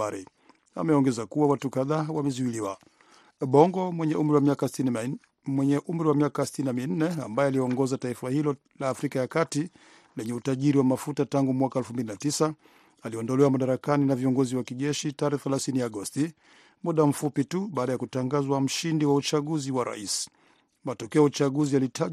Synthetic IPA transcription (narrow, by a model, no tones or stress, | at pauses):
aɾɛ | a̰mɛɔŋɡɛzakuwawatukaðaːwamɛzuiliwa | ɓɔŋɡɔwɛɲɛʔumɾiwamiakasti | mwɛɲɛʔum̩ɾiwamiakasi̥tininamin̩nɛa̰mbajɛalijɛɔŋɡɔzataifahilɔ | laːfɾikajakati | lɛɲɛutaʄiɾiwamafutataŋɡumwakaɛlfumbilinatisa | aliɔndɔlɛwamaɗaɾakaninaviɔŋɡɔziwakiʄɛʃitaɾɛθɛlaθinijaɡɔsti | muɗam̩fupituɓaːɗajakutaŋɡazwam̩ʃindiwaut͡ʃaɠuziwaɾa̰is | matɔkɛɔjaut͡ʃaɠuzijalitʰa